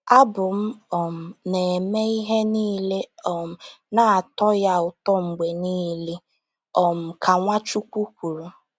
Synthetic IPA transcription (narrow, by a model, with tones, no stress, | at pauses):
a˦bʊ˨m̩˦ɔ˨m̩˨ne˨me˦i˦ɦe˦niː˦le˦ɔ˨m̩˨na˨a˨tɔ˦ja˦ʊ˨tɔ˦ŋ͡m̩˨ɡ͡be˨niː˦li˦ | ɔ˨m̩˨kʰa˨ŋʷa˦t͡ʃu˦kʷu˦kʷu˨ɾu˨